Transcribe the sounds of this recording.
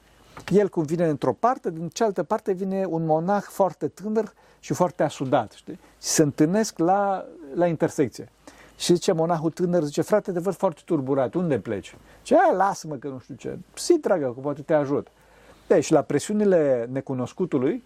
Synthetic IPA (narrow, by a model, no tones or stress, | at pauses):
je̞lkumvine̞ɨnt̪ɾo̞part̪e̞d̪int͡ʃealt̪əpart̪e̞vine̞unmo̞naxfoart̪e̞t̪ɨnər | ʃifoart̪easud̪at̪ʃt̪i | ʃi̥sənt̪ɨne̞sklalaint̪e̞rsek̚t̪sije | ʃizit͡ʃe̞mo̞naxut̪ɨnərzit͡ʃe̞fɾat̪et̪evəd̪̥foart̪e̥t̪urbuɾat̪und̪e̞plḛt͡ʃ | t͡ʃealasməkənuʃt̪ut͡ʃḛsit̪ɾaɡəkumpwat̪et̪eaʒut̪ | eʃilapɾesiunile̞ne̞kuno̞skut̪uluj